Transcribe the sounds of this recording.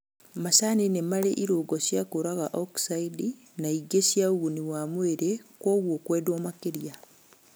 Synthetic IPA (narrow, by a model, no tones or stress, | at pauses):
masaninemaɾḛʔiɾoɡɔsjakoɾaɣaʔɔksaidi | naiɡesjauɣuniwaːmweɾekwoɣwokweːdomakeɾja